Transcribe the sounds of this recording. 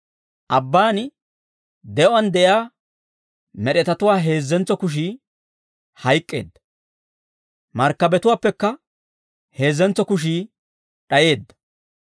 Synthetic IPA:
ʔɐbːaːn | d̪ɛʔʊɐnd̪ɛʔjaː | mɛɗɛt̪ɐt̪ʊwaːɦe̞ːzːɛnt͡sɔkʊʃ̬iː | hɐjkʼːe̞̰ːd̪ːɐ̥ | mɐɾkːɐbɛt̪ʊwaːpːɛkːɐ | he̞ːzːɛnt͡sːɔkʊʃ̬iː | ɗɐje̞ːd̪ːɐ̥

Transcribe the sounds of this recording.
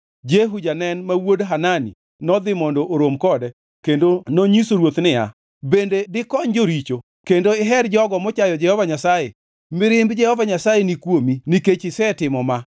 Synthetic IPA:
d͡ʒeɦud͡ʒanɛnmawodɦananḭ | nɔd̪ɪmɔndoʔːɾomkɔdɛ | kendonoɲisoɾwot̪nɪja̰ | bendedɪkɔɲd͡ʒoɾit͡ʃo | kendoɪɦɛɾd͡ʒɔɡɔmɔt͡ʃajɔd͡ʒɛhɔvaɲasaje | mɪɾɪmbd͡ʒɛhɔvaɲasajenikwominiket͡ʃɪsɛtɪmɔma

